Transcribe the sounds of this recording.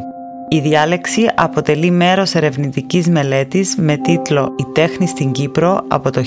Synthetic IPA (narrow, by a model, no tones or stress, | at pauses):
iðiɐle̞ksiʔɐpo̞t̪e̞lime̞ɾo̞se̞ɾe̞vnit̪icizme̞le̞t̪izme̞t̪it̪lo̞it̪e̞xnist̪iɲɟipɾo̞ɐ̰po̞t̪o